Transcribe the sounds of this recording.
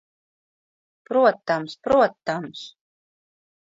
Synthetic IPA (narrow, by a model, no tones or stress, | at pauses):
pɾuɔt̪amspɾuɔt̪ːams